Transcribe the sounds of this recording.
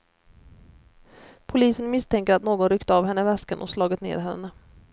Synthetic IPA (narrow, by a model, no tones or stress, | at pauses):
pʰʊliːsənmɪst̪ʰɛŋkəɾat̪noːɡɔnɾʏkt̪əavhɛnːəvɛskənʔɔ̰slɑːɡət̪nḛːɾɦɛ̰nːə